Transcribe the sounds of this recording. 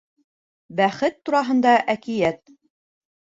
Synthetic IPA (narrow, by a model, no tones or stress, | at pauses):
bæχɘt̪ːuɾɑɦɤ̆nd̪ɑʔækijæt̪̚